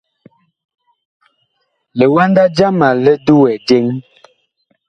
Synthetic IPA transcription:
lə˨wa˦nda˦d͡ʒa˦ma˨lə˦du˦wɛ˨d͡ʒe˦ŋ

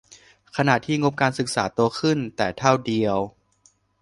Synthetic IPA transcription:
kʰa˧na˨˩t̪ʰːiː˥˩ŋo˦˥p̚kaː˧nsɯ˨˩k̚saː˩˦t̪u˧əkʰɯ˥˩nt̪ɛː˨˩t̪ʰa˥˩wdi˧əw

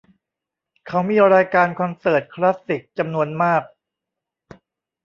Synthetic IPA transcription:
kʰa˦˥wmiː˧ɾaː˧jkaː˧nkʰɔ˧nsɤː˨˩t̪̚kʰla˦˥sːi˨˩k̚t͡ɕa˧mnu˧ənmaː˥˩k̚

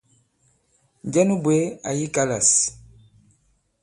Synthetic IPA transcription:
n˨ɟɛ˦nu˦bwe˦a˨ji˦ka˦la˨s

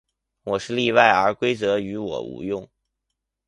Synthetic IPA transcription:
wɔ˨˩ʂɻ̩˥˧li˥˧wa˥˩ɪə˞˧˥kwe˥ɪt͡sɤ˧˥y˧˥wɔ̰˨˩ṵ˧˥jʊ˥˩ŋ

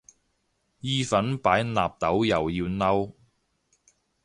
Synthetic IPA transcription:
jiː˥fɐ˨˥npaː˨˥jnaː˨p̚t̪ɐ˨˥wjɐ˨˩wjiː˧wnɐ˥w

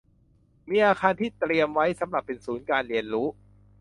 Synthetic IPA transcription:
miː˧ʔaː˧kʰaː˧nt̪ʰiː˥˩t̪ɾi˧əmwa˦˥jsa˩˦mɾa˨˩pːe˧nsuː˩˦nkaː˧nɾi˧˩ənɾuː˦˥

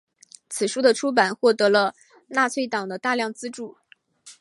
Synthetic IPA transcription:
t͡sʰɹ̩˨˩ʂu˥d̪ə˨ʈ͡ʂʰu˥p̬a˨˩nxwɔ˥˩t̪ɤ˧˥lə˧ | na˥˧t͡sʰwe˥˩ɪt̪ɑ˨˩ŋd̪ə˦t̪a˥˧ljɑ˥˩ŋt͡sɹ̩˥ʈ͡ʂu˥˩

